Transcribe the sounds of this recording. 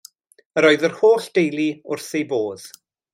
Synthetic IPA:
əɾɔɨðərhoːɬd̥ejliʊrθejboːð̥

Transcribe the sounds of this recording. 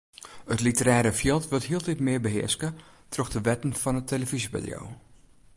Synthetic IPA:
ətlitəɾɛːɾəfjɪlˠtʋɪlˠthiəlˠtitmɪəɹbəɦɪ̰əɹskə | troxdəʋɛtənfɔnətʰeləvizipa̰djo̰w

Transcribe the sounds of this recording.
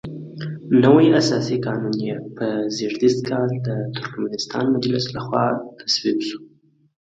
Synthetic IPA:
nəwajasɑsikɑnunjepəzeɾd̪ist̪kʰɑld̪ət̪ʊɾkmanɪst̪ɑ̰nmad̪ilaslaxwɑt̪ʰḁswibsu̥

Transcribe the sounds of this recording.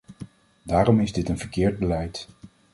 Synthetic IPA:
daːɾɔmɪzdɪtənv̥əɹkɪːɹd̚bəlɛjt

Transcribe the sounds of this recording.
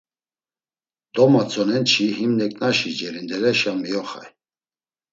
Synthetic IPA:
d̪ɔmat͡sʼɔnɛnt͡ʃʰihimnɛkʼnaʃid͡ʒɛɾind̪ɛɾɛʃamijɔχa̰j

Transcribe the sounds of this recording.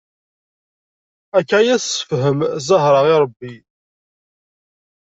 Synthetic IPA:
ækːʕajæssə̥fɦəmzˤəɦɾˤəʁɪɾˤəbːi

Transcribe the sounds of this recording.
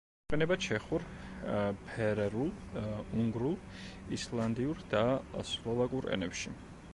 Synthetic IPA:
ɛnɛbat͡ʃʰɛχuɾ | pʰɛɾɛɾulˠuŋɡɾulˠ | islˠand̪iuɾd̪aslˠɔvakʼuɾɛ̰nɛpʃi

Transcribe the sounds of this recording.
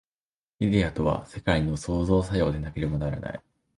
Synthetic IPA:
id̪ʲeat̪o̞βa̰se̞kaino̞so̞ːzo̞ːsajo̞ːd̪e̞nake̞ɾe̞mo̞naɾa̰na̰ḭ

